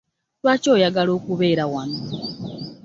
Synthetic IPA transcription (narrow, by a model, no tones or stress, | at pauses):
lwaːco̞ːjaɡalo̞ːkuβe̞ːɾawami